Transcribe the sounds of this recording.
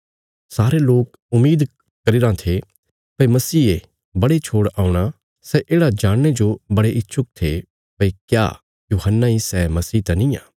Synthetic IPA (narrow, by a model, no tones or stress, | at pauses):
saːɾeloːk̚ | ʊmːiːd̪ | kɐɾiɾãt̪ʰe | pemɐsiːe | bɐɽet͡ʃʰoːɽaːũɽ̃a | sɛʔeːɽad͡ʒaːɽned͡ʒobɐɽeʔɪtːʃʰʊk̚t̪ʰe | pɐikja̰ː | juːɦənːaisɛːmɐsiːt̪anĩja̰ː